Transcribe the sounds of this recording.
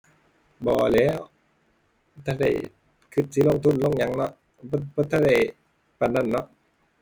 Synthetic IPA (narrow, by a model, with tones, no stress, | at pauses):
bɔː˧˩lɛː˧˥˨w | t̪ʰa˧˩da̰˧˩j | kʰɯ˧˥t̪̚si˧˦lo˧˨ŋt̪ʰu˧˥˨nlo˧˥˨ŋɲa˨˧˥ŋnɔ˧ʔ | bbɔː˧t̪ʰaː˧˥da˧˩j | pa˨˩nːa˧˥˨nːɔ˧˥ʔ